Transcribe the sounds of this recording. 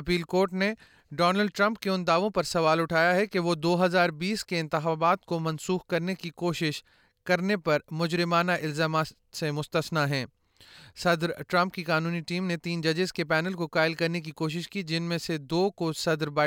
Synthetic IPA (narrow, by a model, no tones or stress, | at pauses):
ɐpiːlkoːɾʈne | ɖɔːnəlɖ̚ʈɾɐ̃mpkeʊnd̪aːʋõpɐɾsɐʋaːlʊʈʰaːjaɦɛkeʋod̪oːɦɐzaːɾbiːskeɪ̃nt̪ɪxaːbaːt̪komɐ̃nsuːxkɐɾnekikoːʃɪʃ | kɐɾnepɐɾmʊd͡ʒɾɪmaːnaʔɪlzaːmaːt̪ | semʊst̪əsnaɦɛ̃ː | sɐd̪ɾʈɾɐ̃mp̚kikaːnuːniʈiːmnet̪iːnd͡ʒɐd͡ʒəzkepɛːnəlkokaːɪlkɐɾnek̬ikoːʃ̬ɪʃkid͡ʒɪnmẽsed̪oːkosɐd̪ɾbaː